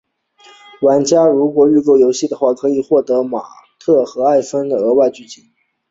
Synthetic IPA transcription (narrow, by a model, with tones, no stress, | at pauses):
wa˧˥nt͡ɕja˥ɻu˧˥kwɔ˨˩y˥˧ko˥˩ʊjo˧˥ʊɕi˥˩d̪ə˩xwa˥˩kʰɤ˧˥i˨˩xwɔ˥˩t̪ɤ˧˥ma̰˨˩ | t̪ʰɤ˥˩xɤ˧˥a˥˩ɪfə˥nd̪ə˩ə˧˥wa˥˧ɪt͡ɕy˥˩t͡ɕi˧˥˦n